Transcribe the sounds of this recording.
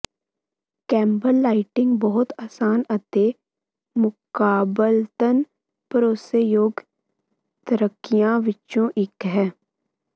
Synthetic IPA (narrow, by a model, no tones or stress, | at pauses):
kɛ̃ːmbəlːaːɪʈɪ̃ŋɡbɔɦʊt̪aːsaːnət̪e | mʊkaːbəlt̪ən | pəɾoːsəjoːɡ | t̪əɾəkːijãːʋɪt͡ʃõʔɪkɦɛː